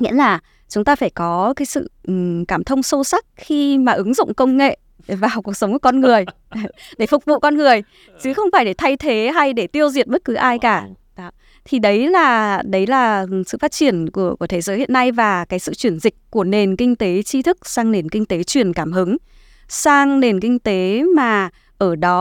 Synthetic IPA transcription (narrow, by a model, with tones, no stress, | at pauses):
ŋḭ˧˥əlaː˨˩ | t͡ɕʊ˨˦ŋ͡mt̪aː˧faː˧˩jkɔ˨˦kaː˨˦jsɨ̰˧˨˩kaː˧˩mt̪ʰə˧wŋ͡mso˧sa˦˥k̚xi˧maː˨˩ʔɨ˨˦ŋzʊ̰˧˨ŋ͡mkə˧wŋ͡mŋḛ˧˨ | vaː˨˩wku˨˩ək̚sə˨˦wŋ͡mku˧˩kɔ˧nŋɨ˨˩əj | ɗe˧˩fʊ˨˩k͡p̚vṵ˧˨kɔ˧nŋɨ˨˩əj | t͡ɕɨ˨˦xə˧wŋ͡mfaː˧˩jɗe˧˩t̪ʰa˧jt̪ʰe˨˦ɦa˧jɗe˧˩t̪i˧əwzi˨˩ət̚m˦˥t̚kɨ˨˦ʔaː˧jkaː˧˩ | ɗɔ˨˦ | t̪ʰi˨˩ɗə˨˦jlaː˨˩ɗə˨˦jlaː˨˩sɨ̰˧˨faː˦˥t̚t͡ɕi˧˩ənku˧˩əku˧˩ət̪ʰe˨˦zəː˨˦jhḭ˧˨ənːa˧jvaː˨˩kaː˨˦jsɨ̰˧˨t͡ɕwi˧˩ənzï˨˩k̟̚ku˧˩əne˨˩nkï˧ŋ̟t̪e˨˦t͡ɕi˧t̪ʰɨ˦˥k̚saː˧ŋne˨˩nkï˧ŋ̟t̪e˨˦t͡ɕwi˧˩ənkaː˧˩mhɨ˨˦ŋ | saː˧ŋne˨˩nkï˧ŋ̟t̪e˨˦maː˨˩ | ʔəː˧˩ɗɔ˨˦